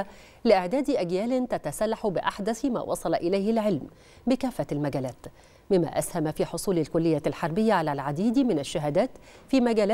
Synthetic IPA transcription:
lɪʔɪʕd̪æːd̪ʔæɡjæːlɪnt̪at̪asalːaħbɪʔaħd̪æθma̰ːwʔɑ̰sˤɑlɑʔɪlajhɪlʕɪlm | bɪkæːfːalmæɡæːlæːt̪ | bɪmːæ̰ʔashamafiːħosˤuːlalkʊlːɪjːaːlħɑɾˤbɪjːaʕalælʕad̪iːd̪mɪnaʃːaɦæːd̪æːt̪ | fiːmæɡæːlː

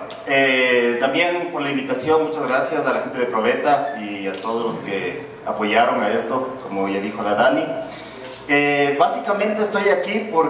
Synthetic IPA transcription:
et̪ambje̞npo̞ɾlaimbit̪asjo̞nmut͡ʃazɣɾasjasalaxe̞nt̪e̞ðepɾoβe̞t̪aiat̪oðozlo̞ske̞̰ | a̰po̞ʝaɾo̞ŋaest̪o̞komoʝaðixo̞laðani | eβasikamẽnt̪eeːst̪o̞jakipoɾ

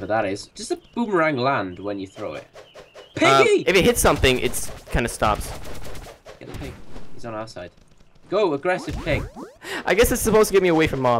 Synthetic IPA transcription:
əðəɾɪz̥d͡ʒ̥ʌstəb̥umɹãŋlãndwə̃njəθɹoʊɪ̰tpʰɪʌiɨfɨt̚hɪtsʌ̃mθɪ̃ŋʔɪ̰tskʰãɪ̃ndəstɑ̰ps | ɡ̥ɛ̰ʔðəpʰɪ̃ŋhḭzn̩aʊsa̰ɪd̥ | ɡ̥oʊəɡɹɛsɪv̥pʰɪ̃ŋʔaɪɡɛsɨtsəpʰoʊztəɡɛvmiəweɪfɹə̃mːɑ

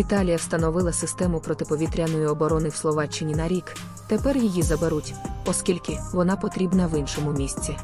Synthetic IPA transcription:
ʋʲit̪ɑlʲijɐwst̪ɐnɔʋɪlˠɐsɪst̪ɛmʊpɾɔt̪ɪpɔʋʲit̪ɾʲɐnɔjʊɔbɔɾɔnɪwslˠɔʋɑt͡ʃːɪnʲinɐɾʲik | t̪epɛrjijizɐbeɾutʲɔskʲilʲkɪʋɔnɑpɔt̪ɾʲibnɐʋɪnʃɔmʊmʲisʲt͡sʲi

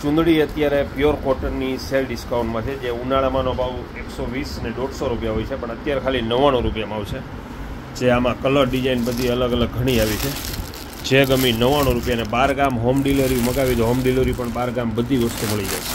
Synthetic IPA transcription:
t͡ʃũnd̪ʱɭiət̪jaɾepjoɾkɔɾʈəɾniselɖɪskauɳʈmãt͡ʃʰed͡ʒeunaɭamanobʱaʋ | eksoʋisneɖoɽsoɾupjaɦojt͡ʃʰepəɳət̪jaɾekʰalinəʋaɽ̃oɾupjamaʋt͡ʃʰe | d͡ʒeamãkələɾɖid͡ʒainbəd̪ʱiələɡələɡ̚ɡʱəɽ̃iaʋit͡ʃʰe | d͡ʒeɡəminəʋaɽ̃oɾupjanebaɾɡamɦomɖiləɾiməkaʋit̪oɦomɖiləɾipəɳbaɾɡambəd̪ʱiʋəst̪uməɭid͡ʒajt͡ʃʰe̥

